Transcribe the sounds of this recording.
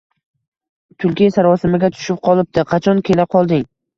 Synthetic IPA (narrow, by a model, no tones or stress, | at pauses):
t̪ʰʊlkʲijsaɾɒsɪmɪɡʲat̪ʰʊ̥ʃɪp̚qʰɒlˠɪp̚t̪ɪqʰɑt͡ʃʰɒnkʲʰe̞laqʰɒlˠd̪ɪŋ